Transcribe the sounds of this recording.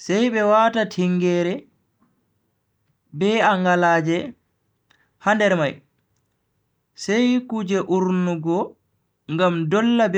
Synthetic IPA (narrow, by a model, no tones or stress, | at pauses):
sɛjɓɛwaːtatʰiŋɡɛːɾɛ | bɛaŋɡalaːd͡ʒɛ | handɛɾmaj | sɛjkud͡ʒɛʔuɾnuɡɔ | ŋɡamdɔlːab